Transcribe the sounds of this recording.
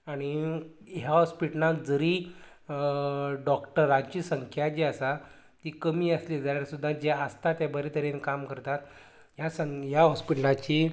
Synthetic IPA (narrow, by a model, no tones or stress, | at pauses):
aɽ̃i | ɦjaɦɔspiʈnakd͡zəɾiː | ɖɔkʈəɾat͡ɕiːsəŋkʰjad͡ʑeəsa | t̪ikəmiːəslid͡zaɾjaɾsud̪ʱːad͡ʑeəst̪at̪jabəɾet̪əɾenkamkəɾt̪at̪ | ɦjasəɦjaɦɔspiʈəlat͡ɕiː